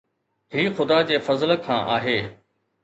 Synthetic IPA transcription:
ɦiːxʊd̪ad͡ʑeːfɐzlkʰã̰ːʔaːɦeː

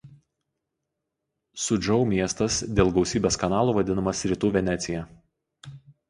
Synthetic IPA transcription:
sʊd͡ʒɔʊmʲiɛst̪ɐsd̪ʲeːlˠɡɒʊsʲiːbʲeːskɐnɑːlˠuːʋɐd̪ʲɪnɐmɐsɾʲiːt̪uːʋʲɛnʲɛt̪sʲɪjɛ

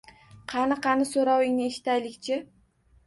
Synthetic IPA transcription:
qʰɑnɨqɑnɪsoɾɒwɪŋnɪe̞ʃɪ̥t̪ajlɪkʲt͡ʃʰɪ

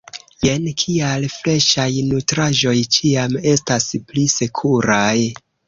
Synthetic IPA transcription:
jenkʰialfle̞ʃajnutɾaʒo̞jt͡ʃiame̞stasplise̞kʰuɾaj

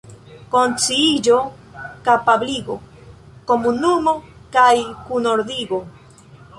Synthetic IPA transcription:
kont͡siid͡ʒo | kapabliɡo | komunumokajkunoɾd̪iɡo

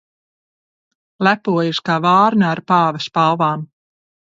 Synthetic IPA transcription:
læpuɔjʃkaːvaːɾnaːɾpɑːvɐspalvaːm

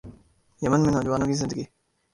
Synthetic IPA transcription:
jɐmənmẽnɔːd͡ʒəʋaːnõːkizɪ̃nd̪əɡiː

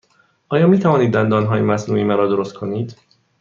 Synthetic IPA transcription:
ʔɒːjɒːmiːt̪ʰævɒːniːd̪ːænd̪ɒːnɦɒːjemæsnuːʔimæɾɒːd̪oɾost̪̚kʰo̞niːd̪

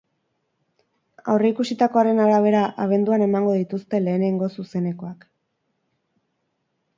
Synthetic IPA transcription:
a̰wre̞ikusit̪ako̞aɾe̞naɾaβ̞e̞ɾaʔaβ̞e̞nd̪uane̞maŋɡo̞ðit̪ust̪e̞le̞ːne̞ŋɡo̞suse̞ne̞ko̞ak

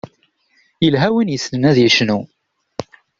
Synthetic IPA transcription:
jəlɦæwinjəsnənæðjiʃnu

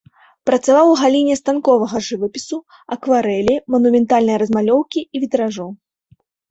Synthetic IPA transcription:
pɾɐt̪savawɣalʲinʲɛst̪ankɔvɐɣɐʐɨvɐpʲisu | ɐkvaɾɛlʲimɐnumʲɛnt̪alʲnɐjɐɾɐzmalʲɔwkʲiːvʲit̪ɾaʐɔ

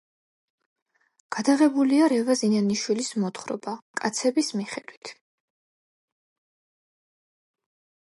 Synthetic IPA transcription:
ɡ̥ad̪aʁɛbuliaɾɛvazinaniʃwilismɔt̪ʰχɾɔ̰bakʼat̪sʰɛbismiχɛd̪wit̪ʰ

